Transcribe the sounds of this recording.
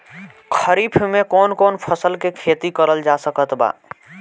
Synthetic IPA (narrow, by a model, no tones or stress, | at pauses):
kʰəɾipʰmekonkoːnpʰəsəlkekʰet̪ikəɾəld͡ʒasəkət̪ba̰